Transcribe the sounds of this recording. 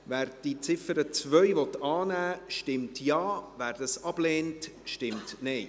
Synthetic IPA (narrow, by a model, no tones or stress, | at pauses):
væːɾd̥it͡sɪfəɾət͡svœʏvɔtɑːnæːʃtɪmtjɑːvæːɾdɑsɑb̥leːntʃtɪmtnɛj